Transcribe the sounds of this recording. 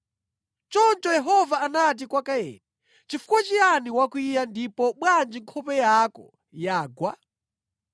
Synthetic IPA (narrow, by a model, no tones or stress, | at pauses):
t͡ʃɔnt͡ʃɔjɛɦɔvaːnat̬ikwakajɛ̰nɛ | t͡ʃifu̥kwat͡ʃianiwakwijandipɔɓwand͡ʒiŋkʰɔpɛjakɔ̰ | jaːɡwa